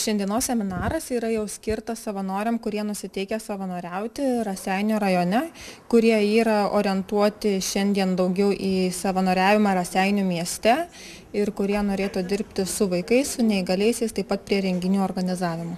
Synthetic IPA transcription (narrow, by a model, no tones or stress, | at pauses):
ʃʲɛnʲd̪ʲiɛnoːssʲɛmʲɪnɑːɾɐsiːɾɐjɛʊsʲkʲɪɾt̪ɐssɐʋɐnoːɾʲɛmkʊɾʲiɛnʊsʲɪt̪ʲɛɪkʲɛsɐʋɐnoːɾʲɛʊt̪ʲɪɾɐsʲæˑɪnʲuɾɐjoːnʲɛkʊɾʲiɛiːɾɐo̰ːɾʲɪɛnt̪uɔt̪ʲɪʃʲɛnʲd̪ʲiɛnd̪ɐʊɡʲɛʊʔiːsɐʋɐnoːɾʲæːʋʲɪmɑːɾɐsʲæɪnʲuːmʲiɛsʲt̪ʲɛ | ɪrkʊɾʲiɛnoːɾʲeːt̪od̪ʲɪɾʲpʲt̪ʲɪsʊʋɐɪkɐɪssʊnʲɛɪɡɐlʲɛɪsʲɛɪst̪ɐɪpɐt̪̚pʲɾʲiɛɾʲɛŋʲɡʲɪnʲuːoːrɡɐnʲɪzɑːʋʲɪmoː